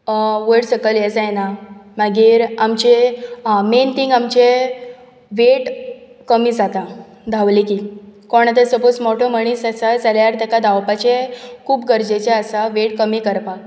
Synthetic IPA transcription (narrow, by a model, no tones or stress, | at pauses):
ʋəɽsəkəljed͡zajenaməɡiːɾamt͡ɕe | ment̪ʰiŋɡamt͡ɕe | ʋeʈ | kəmiːd͡zat̪a | d̪ʱaʋlikiːkɔɳ̃at̪əsəpot͡smɔʈʰɔməɽ̃iːsəsad͡zaljaɾt̪ɛkad̪awpat͡ɕekʰuːpɡəɾd͡ʑet͡ɕeəsaʋeʈkəmiːkəɾpa